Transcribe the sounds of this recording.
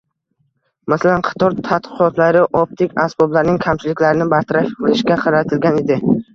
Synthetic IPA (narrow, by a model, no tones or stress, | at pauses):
masalanqʰɑ̥t̪ʰɒɾt̪ʰat̪̚qɨqɒt̪laɾɪʔɒp̚t̪ʰɪkʲasbɒblaɾnɪŋkʲʰamt͡ʃʰɪlɪkʲlaɾɪnɪbaɾt̪ʰaɾaʃbʊlɪʃkʲaqʰɑɾat̪ʰɪlɡʲaned̪ɪ